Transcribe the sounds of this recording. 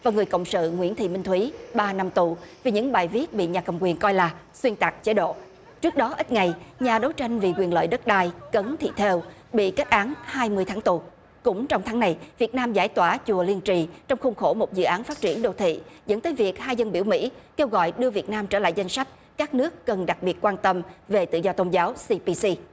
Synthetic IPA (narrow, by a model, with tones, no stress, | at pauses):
vaː˨˩ŋɨ˨˩əjkə̰˧˨wŋ͡msɨ̰˧˨ŋwḭ˧˥nt̪ʰḭ˧˨mï˧ŋ̟t̪ʰwi˨˦ɓaː˧na˧mt̪u˨˩vi˨˩ɲɨ̰˧˥ŋɓaː˨˩jvi˦˥ət̚ɓḭ˧˨ɲaː˨˩kə˨˩mkwi˨˩ənkɔ˧jlaː˨˩ | swi˧ənt̪a˨˩k̚t͡ɕe˨˦ɗo̰˧˨ | t͡ɕɨ˦˥ək̚ɗɔ˨˦ʔi˦˥t̚ŋa˨˩jɲaː˨˩ɗo˨˦wt͡ɕa˧jŋ̟vi˨˩kwi˨˩ənlə̰ː˧˨jɗə˦˥t̚ɗaː˧jkə˨˦nt̪ʰḭ˧˨t̪ʰe˧wɓḭ˧˨kɛ˦˥k̚ʔaː˨˦nhaː˧jmɨ˧əjt̪ʰaː˨˦ŋt̪u˨˩ | kʊ̰˧˥ŋ͡mt͡ɕɔ˧wŋ͡mt̪ʰaː˨˦ŋna˨˩jvi˨˩ət̚naː˧mzaː˧˩jt̪waː˧˩t͡ɕu˨˩əli˧ənt͡ɕi˨˩t͡ɕɔ˧wŋ͡mxʊ˧ŋ͡mxo˧˩mo˨˩t̚zɨ̰˧˨ʔaː˨˦nfaː˦˥t̚t͡ɕi˧˩ənɗo̰˧˩t̪ʰḭ˧˨zə̰˧˥nt̪əː˨˦jvi˨˩ək̚haː˧jzə˧nɓi˧˩əwmḭ˧˥ke˧wɣɔ̰˧˨jɗɨ˧əvi˨˩ət̚naː˧mt͡ɕəː˧˩la̰ː˧˨jza˧jŋ̟sa˦˥k̟̚ | kaː˦˥k̚nɨ˦˥əkːə˨˩nɗa˨˩k̚ɓi˨˩ət̚kwaː˧nt̪ə˧mve˨˩t̪ɨ̰˧˨zɔ˧t̪o˧nzaː˨˦wsi˧pi˧si˧